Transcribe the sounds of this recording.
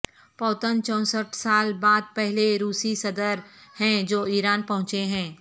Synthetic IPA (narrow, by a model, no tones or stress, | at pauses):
pɔːt̪ənt͡ʃɔ̃ːsəʈʰsaːlbaːd̪̚pɛɦleɾuːsisɐd̪əɾhɛ̃d͡ʒoːiːɾaːnpɐɦʊ̃t͡ʃeɦɛ̃ː